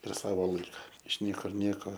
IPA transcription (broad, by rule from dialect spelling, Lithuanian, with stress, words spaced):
ɪr ˈsɑːʋoː ˈlˠɐɪkɐ ɪʃ ˈnʲiɛkʊr ˈnʲiɛkoː